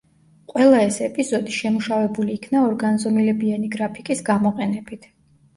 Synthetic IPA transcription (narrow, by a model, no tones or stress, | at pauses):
qʼwɛlˠaɛsɛpʼizɔd̪iʃɛmuʃavɛbuliːkʰnaɔɾɡanzɔmilɛbianiɡɾapʰikʼisɡamɔqʼɛnɛbit̪ʰ